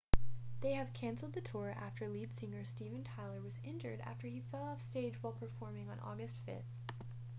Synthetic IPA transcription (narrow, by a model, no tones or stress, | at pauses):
ðeɪɨv̥kʰæ̃nsl̩ˠd̪̚ðɨtʰʊɹʔæ̰ftə˞lid̥sɪ̃ŋə˞stivɨ̃ntʰaɪlˠə˞wʌzɛ̃ntə̰˞ɾæ̰ftə˞ifɛlˠɔfsteɪd͡ʒwaɪlˠpʰə˞fɔɹmɪ̃ŋə̰̃nʔɔ̰ɡɨstfɪ̰θ